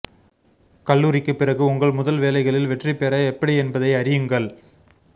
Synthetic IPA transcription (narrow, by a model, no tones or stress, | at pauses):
kɐɭːuːɾɪkːɯpːɪrɐɣɯʊŋɡɐɭmʊðɐlʋeːlɐɪɣɐɭɪlʋɛʈripɛɾɐɛpːɐɽiɛnbɐðɐɪɐɾɪjɯŋɡɐɭ